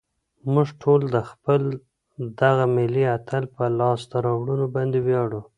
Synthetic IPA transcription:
muʐʈʰold̪əxpəl | d̪aɣamɪliat̪alpəlɑsd̪aɾɑwɽunobɑnd̪ewjɑɽu

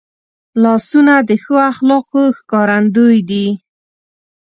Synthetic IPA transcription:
lɑsunad̪əxoaxlɑqoxkɑɾand̪ojd̪i

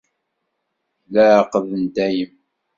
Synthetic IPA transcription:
læʕqəðənd̪æjəm

